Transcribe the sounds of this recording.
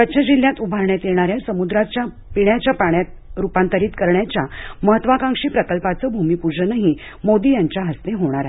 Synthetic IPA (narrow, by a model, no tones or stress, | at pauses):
kəɕʰad͡ʑil̤jat̪ubʱaɾɳjat̪eɳ̃aɾjasəmud̪ɾat͡ɕja | piɳjat͡ɕjapaɳjat̪ | ɾupãnt̪əɾiːt̪kəɾɳjat͡ɕjaməɦət̪ːʋakãŋʂiːpɾəkəlpat͡səːbʱumiːpuɾd͡ʑənaɦi | mod̪iːjaɲt͡ɕjaɦəst̪eɦoɽ̃aɾae